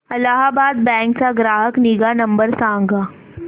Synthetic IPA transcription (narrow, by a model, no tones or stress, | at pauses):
ɐlaːɦabaːd̪̚bɛ̃ːŋksaɡɾaːɦəkniɡanɐ̃mbəɾsãːŋɡaː